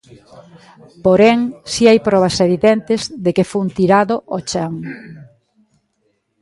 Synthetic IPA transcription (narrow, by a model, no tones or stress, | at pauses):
poɾɛŋsiajpɾɔβɐseβiðɛnt̪ɪzðekefont̪iɾaðoʔot͡ʃaŋ